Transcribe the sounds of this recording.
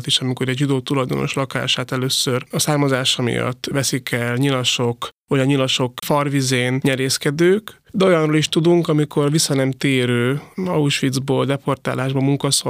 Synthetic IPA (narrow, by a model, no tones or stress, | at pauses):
t̪iʃɒmikoɾɛɟʒid̪oːt̪ulɒjd̪o̞̰no̞̰ʃlɒka̰ːʃaːt̪ɛløːsørɒsaːrmɒzaːʃɒmḭjɒ̰t̪ːʋvɛsikɛlɲilɒʃo̞kʋɒɒɲilɒʃo̞kfɒrʋizeːnɲɛɾeːskɛd̪øːkd̪ɛo̞jɒnroːliʃt̪ud̪uŋkɒmikʰo̞rʋisːɒnɛmt̪eːɾøːɒuʃʋid̪zboːld̪ɛpo̞rt̪a̰ːlaːʒbɒmuŋkɒso